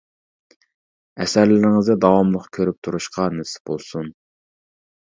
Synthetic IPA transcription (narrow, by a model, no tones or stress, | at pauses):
ɛsæɾlɪɾɪŋɨzɪd̪ɑwɑmlˠəqkʲʰøɾyp̚t̪ʰuɾuʃqʰɑnɪsɪ̥b̥olˠsun